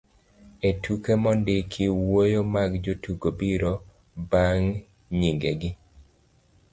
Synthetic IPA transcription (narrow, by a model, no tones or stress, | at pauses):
etukemɔndɪkʰiwojomaɡd͡ʒotʰuɡobiɾo | baŋ | ɲiŋɡeɡɪ